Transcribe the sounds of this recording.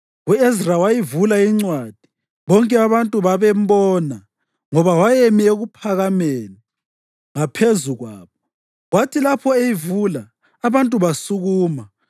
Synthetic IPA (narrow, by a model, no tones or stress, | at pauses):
ɣuezrawajivulaiŋ͡ǀwad̥ʱi̥ | βɔŋkʼɛaβantʼuβaβɛmbɔːna | ŋɔβawajemieɣupʰaɣameni | ŋapʰezuɣwa̰ːβɔ | ɣwatʰilapʰɔejivula | aβantʼuβasuɣuːma